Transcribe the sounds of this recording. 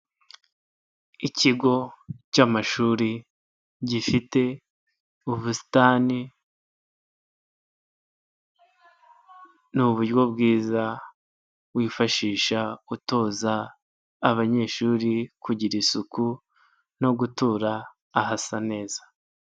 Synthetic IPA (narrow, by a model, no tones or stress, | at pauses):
iciɡo̞camaʃuːɾi | ɟifite̞ | uβusi̥taːni | nuβuɾɡwo̞bɡiːza | wiːfaʃiːʃauto̞ːzaː | βaɲe̞ːʃuːɾikuɟiɾisuku | no̞ɡutuɾaː | ɦasane̞ːz̥ḁ